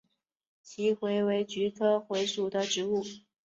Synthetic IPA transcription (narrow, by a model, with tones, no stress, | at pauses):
t͡ɕʰi˧˥xwe˧˥ɪwe˧˥ɪt͡ɕy˧˥kʰɤ˥xwe˧˥ɪʂu˨˩d̪ə˦ʈ͡ʂɻ̩˧˥u˥˩